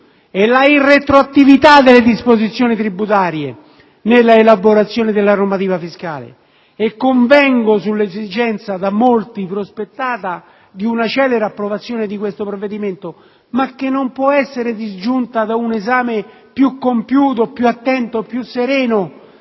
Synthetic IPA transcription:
ɛlːairːet̪ɾoat̪ːivit̪ad̪elːed̪ispozit̪sːjoːnit̪ɾibːut̪̬aːɾje | nelːaelaboɾat̪sːjoːnɪd̪elːaɾomat̪iːvafiskaːlḛ | ekːoɱvɛŋɡosulːezid͡ʒɛnt̪sad̪amːolt̪ipɾospet̪ːaːt̪a | d̪iunat͡ʃɛːleɾapːɾovat̪sːjoːned̪ikwest̪opɾovːed̪iment̪o | makːenːompwɔɛsːeɾed̪izd͡ʒunt̪ad̪aunezaːme | pjukːompjuːt̪̬opjuat̪ːɛnt̪opːjusːeɾɛːno

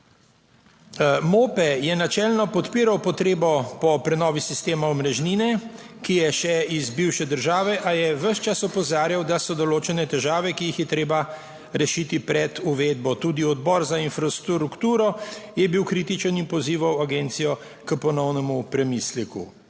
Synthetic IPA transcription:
moːpɛjɛnat͡ʃɛlnɔpɔt̪piːɾawpɔt̪ɾeːbɔpɔpɾɛnɔːʋisist̪eːmaɔmɾɛʒniːnɛ | kijɛʃɛizbiwʃɛd̪əɾʒaːʋɛʔajɛʋəʃt͡ʃasɔpɔzaːɾjawd̪asɔd̪ɔloːt͡ʃɛnɛt̪ɛʒaːʋɛkijixjɛt̪ɾeːba | ɾɛʃiːt̪ipɾɛd̪uʋed̪̚bɔt̪uːd̪iɔd̪bɔːɾzainfɾast̪ɾukt̪uːɾɔjɛbiwkɾiːt̪it͡ʃənimpɔziːʋawaɡent̪sijɔ | kəpɔnɔwnɛmupɾɛmislikṵ

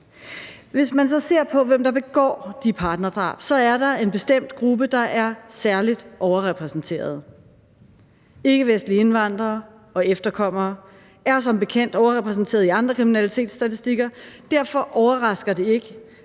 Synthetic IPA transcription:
ʋe̝smænsɒ̽se̝ɐ̰pʰɒ̽ʋem̰d̥ɑ̈b̥e̝ɡ̥ɒ̰ːd̥ipʰɑ̈ːd̥nɐd̥ʁɑ̰̈ːb̥sɒ̽æɐdɑ̈e̝nb̥e̝sd̥em̰d̥ɡ̥ʁub̥əd̥ɑ̈ʔæɐsæɐlid̥ʔɒʊɐʁɛpʰʁɛsn̩t͡sʰe̝̰ːɐð̞ˠ | e̝ɡ̥əʋesd̥lie̝nʋɑ̈n̰d̥ʁɐː | ɒ̽efd̥ɐkʰɒ̽m̰ɐː | æɐs̬ɒ̽mb̥e̝kʰen̰d̥ɒʊɐʁɛpʰʁɛs̬n̩t͡sʰe̝̰ːɐð̞̩ˠiɑ̈nd̥ʁɐkʰʁiminælit͡sʰe̝̰ːd̥sd̥æt͡sʰisd̥iɡ̥ɐd̥æɐ̰fɒ̽ʔɒʊɐʁɑ̈sɡ̥ɐd̥e̝e̝ɡ̥ə

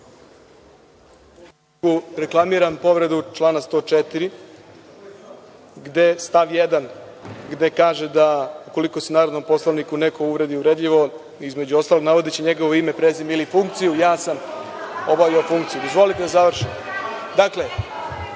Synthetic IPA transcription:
uɾe̞klˠamiɾampo̞ʋɾe̞d̪ut͡ʃlˠaːnast̪oːt͡ʃet̪iɾi | ɡd̪e̞st̪aʋjed̪anɡd̪e̞kaːʒed̪auko̞liko̞senaːɾod̪no̞mpo̞slˠaʋnikune̞ko̞uʋɾe̞d̪iuɾe̞d̪ʎiʋo̞ | izme̞d͡ʑuo̞st̪alo̞ɡnaʋo̞d̪it͡ɕeɲe̞ɡoʋo̞ime̞pɾezimilifuŋk̚t̪sijujaːsamo̞baʋiofuŋkt̪sijud̪o̞zʋo̞lit̪ed̪azaʋr̩ʃi | d̪akle

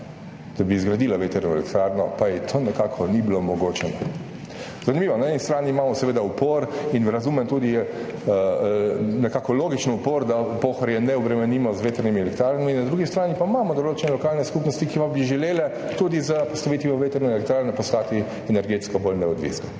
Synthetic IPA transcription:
d̪̥abiːzɡɾad̪iːlaʋet̪ɛɾnɔɛ̰lɛkt̪ɾaɾnɔpajɛt̪ʰoːnɛkaːkʰɔnibilomɔɡoːt͡ʃɛnɔ | zanimiːʋɔnaɛnist̪ɾaːniːmaːmɔsɛʋeːd̪aupoːɾinɾɐzumɛmt̪uːd̪iə | nɛkaːkɔloːɡit͡ʃnɔupoːɾd̪apoːxaɾjɛnɛɔbɾɛmɛniːmɔzʋeːt̪ɛɾnimiɛlɛkt̪ɾaːɾnɔminːad̪ɾuɡist̪ɾaːnipaimaːmɔd̪ɔloːt͡ʃɛnɛlɔkaːlnɛskupnɔst̪ikipabiʒɛleːlɛ | t̪ud̪izəpɔst̪aʋeːt̪ʋimɔʋeːt̪ɛɾnɛelɛk̚t̪ɾaːɾnɛpɔstk̪aːt̪i | ɛnɛɾɡeːt̪skɔbolnɛɔd̪ʋḭːsnɔ

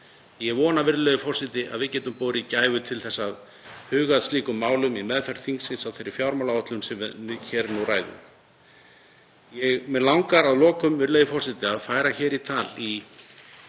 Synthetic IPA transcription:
jɛɣvɔːnavɪɾlœjðʏfɔr̥sɪt̪ɪʔa̰ðvɪðcɛːt̪ʏmpoːwɾɪicaːjvʏt̪ʰɪlθɛsːað | hʏːɣaðst̪liːkʏmːaːwlʏmimɛðfɛɾ̥θiŋksɪnsawθejɾːɪ̥fjawɾmawlaɔt̪lʏmsɛmvçɛːɾnuwraːjðʏ̰ | jɛɣmɛðlawŋkaɾaðlɔːkʏmvɪɾlœːðʏfɔr̥sɪt̪ɪaðfaːjɾaçɛːɾit̪ʰaːli

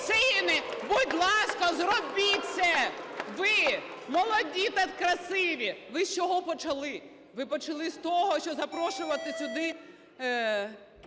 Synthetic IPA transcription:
sɪnɪbud̚ʲblˠɑskɔzrɔbʲisʲɛʋɪmɔlˠɔdʲit̪ɐkɾɐsɪʋʲiʋɪst͡ʃɔɦɔpɔt͡ʃɐlˠɪ | ʋɪpɔt͡ʃɐlˠɪst̪ɔɦɔʃt͡ʃɔzɐpɾɔʃʊʋɐt̪ɪsʲʊd̪ɪ

